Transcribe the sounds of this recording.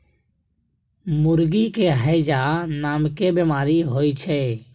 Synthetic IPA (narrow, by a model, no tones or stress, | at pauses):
mʊɾɡiːkeːɦəed͡ʒaːnaːmkeːbemaːɾiɦoːiːt͡ʃʰɛː